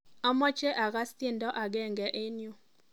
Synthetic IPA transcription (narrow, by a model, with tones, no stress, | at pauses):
a˦mɔ˦t͡ʃe˦ʔa˨ɣa˦st̪ɪ˦ndɔ˦ʔa˨ɡɛ˦ŋɡɛ˨ʔɪ˦nju˨